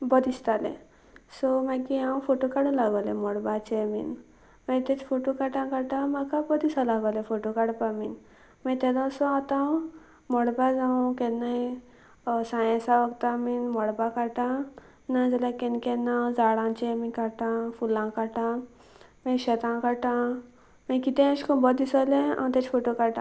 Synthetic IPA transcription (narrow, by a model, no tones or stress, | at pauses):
bəd̪ist̪alḛ | sɔmakiãw̃foʈokaɽulaɡalḛmɔɽbat͡ɕemḭn | mət̪et͡sfoʈokaʈãkaʈãmakabəd̪isalaɡalefoʈokaɽpamin | mãt̪ɛlãsɔat̪ã | mɔɽbad͡zãw̃kɛnaji | sãjẽsaʋəɡt̪aminmɔɽbakaʈã | nad͡zalakenkɛnad͡zaɽãt͡ɕemĩkaʈãfulãkaʈã | mẽɕət̪ãkaʈã | mẽkit̪ẽãɕkɔ̃bɔd̪isaleã̰t̪et͡ɕfoʈokaʈã̰